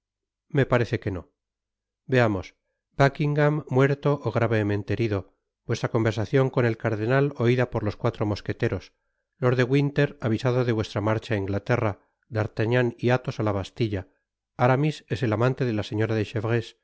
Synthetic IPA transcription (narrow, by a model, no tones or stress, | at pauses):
me̞paɾe̞θe̞ke̞no̞̰ | be̞amo̞s | bakiŋɡamːwe̞ɾt̪o̞ʔːɣɾaβe̞mẽ̞nt̪eeɾiðo̞ | bwest̪ɾako̞mbesaθjo̞ŋko̞ne̞lkaɾðe̞nalo̞iðapo̞ɾlo̞skwat̪ɾo̞mo̞ske̞t̪e̞ɾo̞s | lo̞ɾðe̞ɣwint̪e̞ɾaβisað̞o̞ðe̞βwe̞st̪ɾamaɾt͡ʃaiŋɡlat̪e̞ra | d̪aɾt̪aɲaniat̪o̞salaβast̪iʎa | aɾamise̞se̞lamãnt̪e̞ðe̞lase̞ɲo̞ɾaðe̞ʃeβʁes